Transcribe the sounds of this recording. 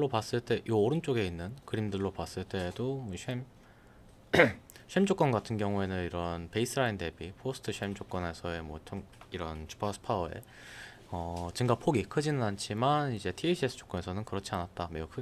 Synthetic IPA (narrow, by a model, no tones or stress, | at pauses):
ɭːopas͈ɯɭt͈e̞joːɾɯnt͡ɕ͈oɡe̞inːɯnkɯɾimdɯɭːopas͈ɯɭt͈e̞doɕʰɥem | ɕʰemd͡ʑok͈ʌnɡatʰɯnɡjʌŋue̞nɯniɾʌnpe̞isʰɯɾainde̞bipʰosʰɯ̥tʰɯɕʰɥemd͡ʑok͈ʌne̞sʰʌe̞mwʌtʰoŋiɾʌnt͡ɕʰi̥pʰas͈ʰɯ̥pʰaʌe̞̰ | ʌt͡ɕiŋɡapʰoɡikʰɯd͡ʑinɯnant͡ɕʰimanid͡ʑe̞tʰieɕʰies͈ʰɯ̥t͡ɕo̥k͈ʌne̞sʰʌnɯnkɯɾʌt͡ɕʰianat̚t͈ameukʰɯ